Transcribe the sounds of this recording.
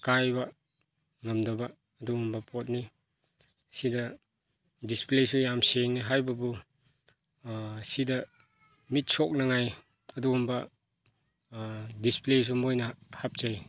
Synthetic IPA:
kajbɐ | ŋɐmdɐbɐː | duɡumbɐpɔt̬̚ni | sidɐ | displesujamseŋniɦajbɐbu | sidɐ | mit̚sɔk̚nɐŋaj | ɐduɡumbɐ | disples̬umojnɐhap̚zaj

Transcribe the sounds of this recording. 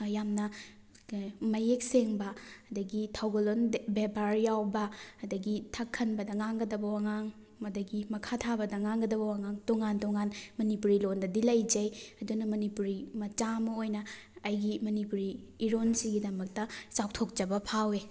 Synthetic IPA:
jamnɐ | mɐjek̚seŋbɐɐdɐɡitʰawɡolonbepaɾjawbɐːdɐɡitʰakʰːɐnbɐdɐŋaŋɡɐdɐbɐwaŋaŋ | ɐdɐɡimɐkʰatʰabɐdɐŋaŋɡɐdɐbɐwaŋaŋdoŋandoŋanmɐnipuɾilondɐdilɐjd͡ʒɐjɐdunɐmɐnipuɾimɐt͡ʃamɐojnɐːjɡimɐnipuɾiːɾonsiɡidɐmɐk̚tɐsawtʰok̚d͡ʒɐbɐpʰawe

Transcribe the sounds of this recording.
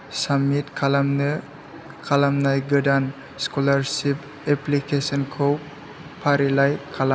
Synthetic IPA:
samitkʰalamn | kʰalamnajɡɯdan | skɔlaɾsip | eplikʰesɔnkʰɔw | pʰaɾilajkʰala

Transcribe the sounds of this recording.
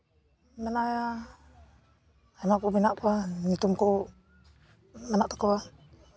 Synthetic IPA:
mənaja | inakubinaʔkuanit̪umku | mənaʔt̪o̥kawa

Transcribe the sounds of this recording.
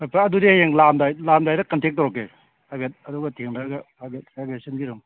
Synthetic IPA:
majpʰaɐdudijeŋlamdajlamdajɾɐkɐntek̚tːaɾɔk̬ːe | pʰajbet̚ɐduɡɐtʰeŋdaɡɐpʰajbet̚pajbesɐnɡiɾum

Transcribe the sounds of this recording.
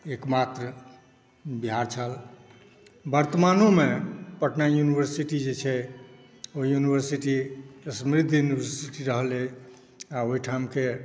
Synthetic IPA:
ekmat̪ɾə | biɦaɾt͡ʃʰəl | bəɾt̪əmanomepəʈnajunibəɾsiʈid͡ʒet͡ʃʰɛ | oɦijunibʱəɾsiʈisəmɾid̪ʱjunibəɾsiʈiɾəɦəle | aoɦiʈʰamke

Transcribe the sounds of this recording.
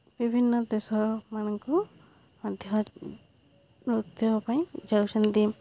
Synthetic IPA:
b̥ibʱinːɔd̪ɛsɔmanɔŋkɔ | ɔd̪ʱjɔ | ɾut̪jɔpãj̃d͡ʒawsɛnd̪im

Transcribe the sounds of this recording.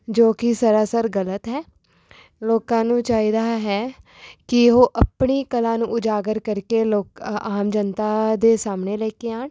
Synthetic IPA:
d͡ʒoːkɪsəɾaːsəɾɡələt̪ɦɛː | loːkãːnũːt͡ʃaːiːd̪aːɦɛː | kɪɦoːʔəpɳiːkəlãːnũːʊd͡ʒaːɡəɾkəɾkeːloːkaːmd͡ʒənt̪aːd̪eːsaːmneːlɛːkeːaːɳ

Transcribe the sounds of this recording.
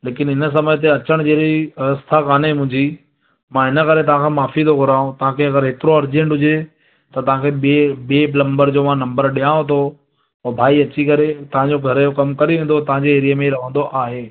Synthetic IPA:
leːkɪnɦɪnə̆s̬ɐməjt̪̬eɐt͡ɕəɽ̃d͡ʑeːɾiɐɣəst̪ʰakaːnemʊ̃ɦɪ̃ɲd͡ʑi | mãɦɪnəkɐɾet̪ɐʋ̤ãkʰãːmaːfit̪ʰoɡʱʊɾaːɦũt̪ɐʋ̤ãkʰeɐɡəɾɦeːt̪ɪɾoɐɾd͡ʑẽɳʈɦʊd͡ʑe | t̪ɐt̪ɐʋ̤ãkʰeɓɓeplɐ̃mbəɾd͡ʑoːmãnɐ̃mbəɾɗijãːot̪ʰoː | bʱaːiɐt͡ɕikɐɾet̪ɐʋ̤ãɲd͡ʑoɡʱɐɾjokɐmkɐɾeʋẽːnd̪ot̪ɐʋ̤ãɲd͡ʑeeːɾijəmẽiɾɐʋ̤ə̃nd̪oʔaːɦeː

